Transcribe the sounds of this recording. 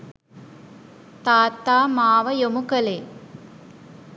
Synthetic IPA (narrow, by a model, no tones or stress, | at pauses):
t̪aːt̪aːmaːʋəjomukəle